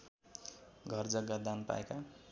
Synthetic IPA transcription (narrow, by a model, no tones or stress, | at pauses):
ɡʱʌrd͡zʌɡːad̪anpa̰eka